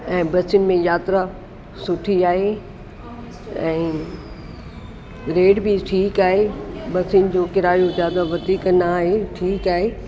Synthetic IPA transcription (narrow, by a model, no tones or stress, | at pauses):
ɛ̃ːbɐsɪjʊnɪ̆mẽjaːt̪ɾa | sʊʈʰiaːɦe | ɛ̃ː | ɾeːɖbɪʈʰiːkaːɦebɐsɪjʊnɪ̆d͡ʑoːkɪɾaːjõzjaːd̪aʋɐd̪iːknaːɦeʈʰiːkaːɦe